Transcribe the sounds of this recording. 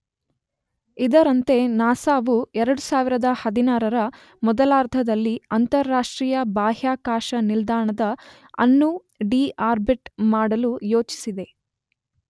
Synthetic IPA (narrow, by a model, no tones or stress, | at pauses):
id̪ɐɾɐnt̪e̞naːsaːʋuɛɾɐɽusaːʋiɾɐd̪ɐhɐd̪inaːɾɐɾɐ | mɔd̪ɐlaːɾt̪ʰɐd̪ɐlːiɐnt̪ɐɾːaːʂʈɾiːjɐbaːɦjaːkaːʃɐnild̪aːɳɐd̪ɐ | ɐ̰nːu | ɖiːaːɾbiʈmaːɽɐlujo̞ːt͡ʃi̥sid̪e̞